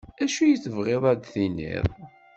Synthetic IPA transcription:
æʃujət͡sːəvʁeðˤæd̪θinːḭðˤ

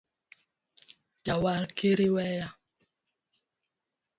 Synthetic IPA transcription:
d͡ʒawalkeɾiwɛja

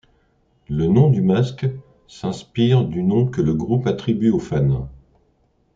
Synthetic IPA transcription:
lənɔ̃d̪ymask | sɛ̃spiʁd̪ynɔ̃kələɡʁupat̪χibyofan

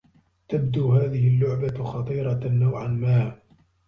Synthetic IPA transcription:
t̪abd̪uːɦaːðɪhɪlːʊʕbaxɑt̪ˤiːɾˤɑnːawʕanmaː

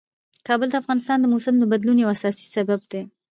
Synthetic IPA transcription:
kɑbəld̪əafɣɑnɪst̪ɑnd̪əmosəmd̪əbad̪lunjawasɑsi̥sabab̚d̪e

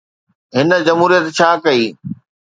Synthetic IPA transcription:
ɦɪnə̆d͡ʑɐmɦuːɾijət̪t͡ɕʰaːkɐiː

